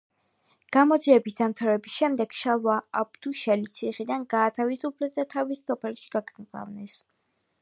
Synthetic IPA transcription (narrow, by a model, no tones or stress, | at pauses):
ɡ̥amɔd̪ziɛbisd̪amt̪ʰaɾɛbisʃɛmd̪ɛɡ̥ʃalˠwaab̚d̪̥uʃɛlit̪sʰiχid̪anɡaːt̪ʰavisupʰlɛd̪at̪ʰavisːɔpʰɛlʃi̥ɡaɡʰnza̰vnɛs